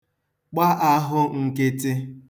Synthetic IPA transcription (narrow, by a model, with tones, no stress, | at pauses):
k͡pa˦ʔa˦ɦʊ˦ŋ̩˨ke˦tɪ˦